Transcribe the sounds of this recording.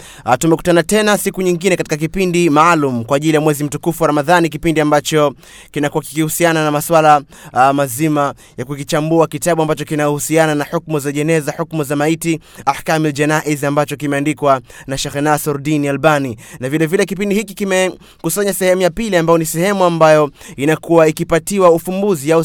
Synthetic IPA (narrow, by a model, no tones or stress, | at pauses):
tumɛku̥tanatɛnasikuɲiŋɡinɛkati̥kak̬ipindimaːlumukwaːʄilijamwɛzim̩tukufuwaɾamaðanikipindiambat͡ʃɔ | kinakuaki̥kihusiananamaswala | mazima | jakukit͡ʃambuakitaɓuambat͡ʃɔkinajɔhusiananaħuk̚muzaʄɛnɛzaħukmuzamaiti | ahkamild͡ʒɛnaʔizambat͡ʃɔk̬imɛandikwanaʃɛxɛnasɔɾdinialɓaninavilɛvilɛkip̬indihikikimɛ | kusaɲasɛhɛmujapiliambajɔnisɛhɛmuambajɔinakuwaikipatiwaufumbuziau